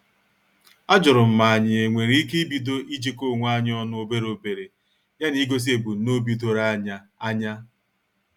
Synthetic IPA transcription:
a˦d͡ʒʊ˨ɾʊ˨m̩˨ma˨a˨ɲɪ˨e˨ŋʷe˨ɾi˦i˦ke˦i˦bi˨do˦ʔi˦d͡ʒi˦ko˦˨ŋʷ˦a˦ɲ˦ɔ˦nʊ˦o˦be˦ɾo˨be˨ɾe˨ | ja˦ni˦ɡo˦s̬i˦e˨bu˨˦no˦bi˦do˦ɾa˦ɲa˦a˦ɲa˦

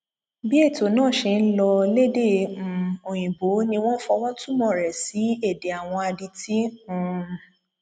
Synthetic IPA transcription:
bi˦e˦˨to˨nãː˦˨ʃe˧n̩˦lɔ˧le˦de˦˨ũ˨o˨j̃ĩ˨bo˨˦nĩ˧w̃ɔ̃˦fɔ˧w̃ɔ̃˦tu˦mɔ̃˦˨ɾɛ˨si˨˦e˦˨de˨a˨w̃ɔ̃˧a˧di˧ti˦ũ˧

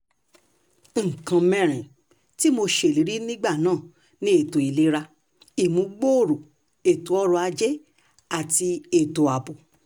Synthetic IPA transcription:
ŋ̩˨kã˧mɛ̃˦˨ɾ̃ĩ˨ | ti˦mo˧ʃe˨li˨˦ɾi˦nĩ˦ɡ͡ba˦˨nãː˦˨ | nĩ˦e˦˨to˨i˨le˨˦ɾa˧ | i˨mũ˨˦ɡ͡bo˦o˦˨ɾo˨ | e˨tu˨˦ɔ˦ɾɔ˧a˧d͡ʒe˦ | a˦˨ti˧e˦˨to˨a˨bo˨

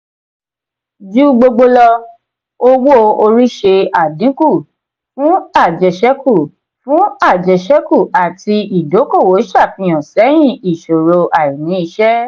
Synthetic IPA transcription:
d͡ʒu˦ɡ͡bo˧ɡ͡bo˧lɔ˧ | o˧wo˦o˨˧o˧ɾi˦ʃe˧a˨dĩ˨˦ku˦˨ | fũ˦a˦˨d͡ʒɛ˨ʃɛ˦ku˦˨ | fũ˨˦a˦˨d͡ʒɛ˨ʃɛ˦ku˦˨a˨ti˧i˨do˨˦ko˦˨wo˨˦ʃa˦˨fĩ˧j̃ã˨sɛ˨˦j̃ĩ˦˨i˨ʃo˨ɾo˧ʔa˨i˨nĩ˨˦i˧ʃɛ˦

